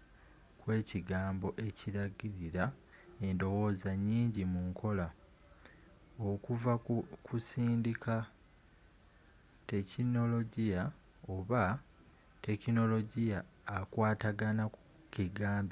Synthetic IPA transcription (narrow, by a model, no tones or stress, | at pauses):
kwe̞ːciɡaːmbo̞ʔe̞ciɾaɡiɾiɾa | e̞ndo̞wo̞ːzaɲːiːɲɟimuŋkʰo̞la | o̞kuvakʰusiːndikʰa | te̞cino̞lo̞ɟija | o̞βa | te̞kino̞lo̞ɟijaːkwaːtaɡanaku | kiɡaːmbi